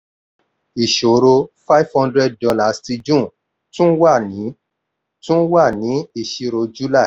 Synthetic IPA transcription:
i˨ʃo˨ɾo˧fa˦i˦fhɔ̃˧˦ndɾɛ˦d̚dɔ˧la˦˨sti˧d͡ʒũ˦˨ | tũ˦wa˦˨nĩ˨˦ | tũ˦wa˦˨nĩ˨˦i˨ʃi˧ɾo˧d͡ʒu˦la˦˨

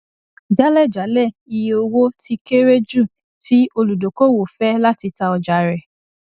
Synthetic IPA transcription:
d͡ʒa˦lɛ˦˨d͡ʒa˨˦lɛ˦˨i˧je˧o˧wo˦ti˦ke˦ɾe˦d͡ʒu˦˨ | ti˨˦o˧lu˨do˨ko˦wo˨fɛ˦la˦ti˧ta˧ɔ˧d͡ʒa˨ɾɛ˨

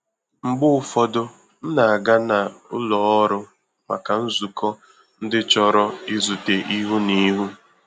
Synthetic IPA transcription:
ŋ͡m̩˨ɡ͡bʊ˦ʊ˨fɔ˦dʊ˦ | n̩˦na˨a˨ɡa˦na˨ʊ̰˦lɔ˨ɔ˦ɾʊ˦ | ma̰˨ka˨n̩˦zu˨kɔ˦ | n̩˦dɪ˦t͡ʃɔ˦ɾɔ˦i˦zu˨te˨ʔi˦ɦu˦ni˦ɦu˦

